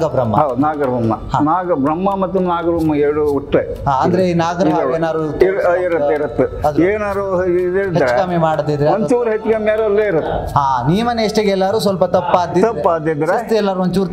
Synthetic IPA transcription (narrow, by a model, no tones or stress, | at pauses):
ɡɐbɾɐmːɐ̰ɦanaːɡɐɾbɐmːɐhanaːɡɐbɾɐmːɐmɐt̪ːunaːɡɐɾbɐmːɐeɾɽuuʈːe | ɦaːɐnd̪ɐɾeinaːɡɐiɦ̪eːnaːɾuɾiɾɐt̪ːeiɾɐt̪ːuɐd̪eːnaːɾuid̪eːɭid̪aɾt͡ʃekɐmemaːɽd̪id̪ɾeɐɲt͡ʃuːɾɦet͡ʃːɡemeːɾɐlːeiɾɐt̪ːuɦaːnijɐmɐneːʂʈeɡɛlːaːɾuːs̬ʋɐlpɐt̪ɐpːaːd̪it̪ɐpːaːd̪id̪ɾest̪eɛlːaːɾuʋɐɲt͡ʃuːɾt̪